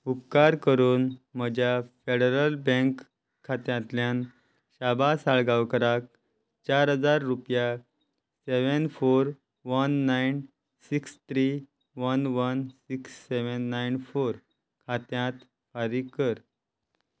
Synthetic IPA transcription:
upkaɾkəɾuːnməd͡ʑʱjafeɽeɾəlbə̃ŋkʰː | at̪jãt̪ljãn | ɕabasaɭɡawkəɾak̚ | t͡ɕaɾɦəd͡zaɾːupja | seʋənfoɾ | ʋənːajn | sikst̪ɾi | ʋənʋənsiksːeʋənːajnfoɾ | kʰat̪jãt̪ | faɾikəɾ

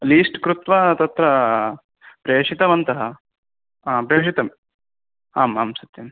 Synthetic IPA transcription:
liːsʈkɾut̪ʋɐt̪ɐt̪ɾɐ | pɾeːʂit̪ɐmɐnt̪ɐɦɐː | pɾeːʂit̪ɐm | aːmɐ̰msɐt̪jɐm

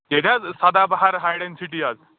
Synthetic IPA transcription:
ket̪ʰjad͡zsad̪abaɦaɾɦajɽẽnsiʈiːad͡z

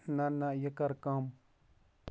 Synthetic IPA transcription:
nãnajəkaɾkãm

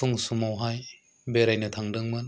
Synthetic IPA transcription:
uŋsumawɦaj | beɾajnɯtʰaŋdɯŋmɯn

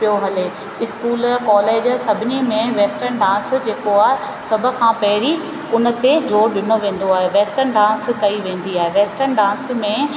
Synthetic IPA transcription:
pijoɦɐleː | ɪskuːlkɔːleːd͡ʑsɐbʱɪnimẽʋeːsʈəɾnɖãːnsd͡ʑeːkoaːɦe | sɐbʱə̆kʰãːpɐɦɪɾi | ʊnə̆t̪ezoːɾɗɪnoʋẽːn̆d̪oaːɦeʋeːsʈəɾnɖãːskɐiʋẽːn̆d̪iaːɦeʋeːsʈənɖãːnsmẽ

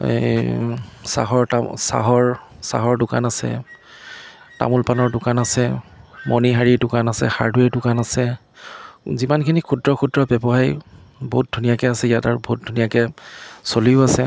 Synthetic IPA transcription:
sa̰ɦɔɹasa̰ɦɔɹ | sa̰ɦɔɹdʊka̰nasɛ̰ | ta̰mulpanɔɹdʊkanasɛmoniɦaɹiɹdʊkanasɛ̰xa̰ɹdwɛɹdʊkanasɛ | zimankʰinikʰudɹɔkʰudɹɔbɛbɔɦajboɦut̚dʱunijakɛasɛijataɹboɦt̚dʱunijakɛsoliʊasɛ

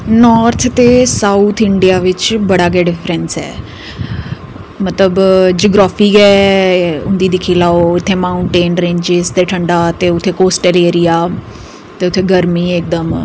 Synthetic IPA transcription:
nɔːɾt̪ʰt̪eːsaːut̪ʰɪɳɖijaːʋɪt͡ʃbəɽaːɡɛːɖɪfʰɾənsɛ̰ː | mət̪ləbd͡ʒoːɡɾaːpʰiːkɛː | ʊnd̪iːd̪ɪkʰiːlaːoɪt̪ʰːeːmaːʊɳʈeːnɾẽːɲd͡ʒɪzt̪eːʈʰəɳɖaːt̪eːʊt̪ʰːeːkoːsʈəleːɾijaː | t̪eːʊt̪ʰːeːɡəɾmiːɪk̚d̪əm

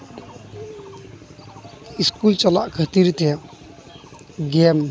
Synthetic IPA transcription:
iskult͡ʃəla̰ʔkʰət̪iɾt̪ʰe | ɡem

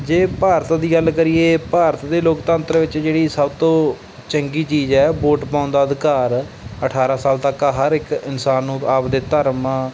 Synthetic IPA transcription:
d͡ʒeːpaːɾt̪d̪iːɡəlkəɾiːeːpaːɾət̪d̪eːloːkt̪ə̃nt̪ɾʋɪt͡ʃd͡ʒeːɽiːsəbt̪õː | t͡ʃəŋɡiːt͡ʃiːd͡ʒɛːboːʈpãːʊ̃nd̪aːəd̪ɪkaːɾ | əʈʰaːɾaːsaːlt̪əkaɦəɾɪkɪnsaːnːũːaːpd̪eːt̪əɾmãː

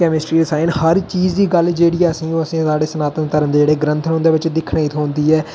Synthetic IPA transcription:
kɛːmɪsʈɾiːɖɪsaːɪnhəɾt͡ʃiːd͡ʒd̪iːɡəld͡ʒeːɽiːəsĩːõːəsĩːsaːɽeːsənaːt̪ənt̪əɾənd̪eːd͡ʒeːɽeːɡɾə̃nt̪ʰənɦõnd̪eːʋɪt͡ʃd̪ɪkʰɳaːiːt̪ʰõːnd̪iːɛː

